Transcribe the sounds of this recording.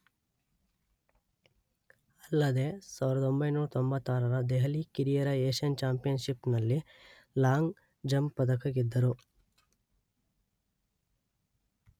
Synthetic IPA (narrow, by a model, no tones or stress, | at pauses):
ɐlːɐd̪e̞saːʋiɾɐd̪o̞mbɐjnuːɾɐt̪ombɐt̪ːaːɾɐɾɐd̪ɛɦɐlikiɾijɐɾɐeːʃɐnt͡ʃaːmpijɐnʃipnɐlːi | laːŋɡ | d͡ʒɐmpɐd̪ɐkɐɡid̪ːɐɾu